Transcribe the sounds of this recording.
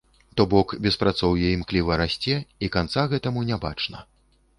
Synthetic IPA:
t̪ɔbɔkbʲɛspɾat̪sɔwjɛimklʲivɐɾasʲt͡sʲɛikant̪saɣɛt̪ɐmunʲaba̰t͡ʂnɐ̰

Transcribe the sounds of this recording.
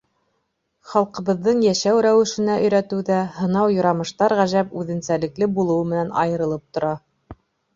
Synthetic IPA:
χɑlˠqɤ̆βɤ̆ðːɤɴjæʃæwɾæwɘ̆ʃɘ̆næʔɵ̆jɾæt̪ɘwðæhɤ̆nɑwjŏɾɑmɤ̆ʃt̪ɑɾʁæʒæpʉðɘ̆nsælɘ̆klɘbulˠɤ̆wɤmɘ̆nænʔɑ̰jɤ̆ɾɤ̆lˠɤp̚t̪ŏɾɑ

